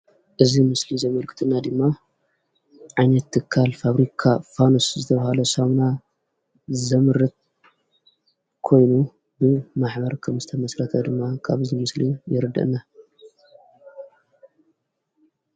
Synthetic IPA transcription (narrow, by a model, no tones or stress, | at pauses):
ʔɨzimɨslizɐmɐlkʰɨ̥t̪ʰɨnːad̪ɨmːa | ʕajnɐt̪ːɨkʰːalfaβɾikʰafanoszɨt̪ʰɐβɐhalɐsamna | zɐmɨɾɨt̪̚ | kʰo̞jnu | bɨmaħbɐɾkʰɐmzɨt̪ʰɐmɐsɾɐt̪ʰɐd̪ɨmːakʰaβɨzimɨslijɪɾɨd̪ɐ̰ʔɨnːa